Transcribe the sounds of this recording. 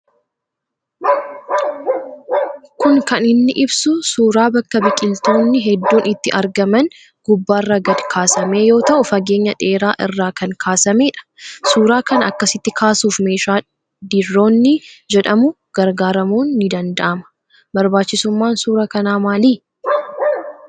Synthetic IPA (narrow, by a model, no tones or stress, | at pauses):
kʊŋkɐnɪnːɪʔɪbsʊsuːɾaːbɐkːɐbɪkʼɪlt̪o̞ːnːɪɦɛd̪ːuːnɪt̪ːɪʔɐɾɡɐmɐn | ɡ̥ʊbːaːrːɐɡɐd̪kʰaːsɐme̞ːjo̞ːt̪ɐʔʊfɐɡe̞ːɲːɐᶑe̞ːɾaːʔɪrːaːkɐŋkʰaːsɐme̞ːᶑɐ̥suːɾaːkɐnɐkːɐsɪt̪ːɪkʰaːsuːfme̞ːʃaː | d̪ɪrːo̞ːnːɪd͡ʒɛᶑɐmʊ | ɡ̥ɐɾɡaːɾɐmuːnːɪd̪ɐnd̪ɐʔɐmɐ̥ | bɐɾbaːt͡ʃːɪsʊmːaːnsuːɾɐkɐnaːmaːliː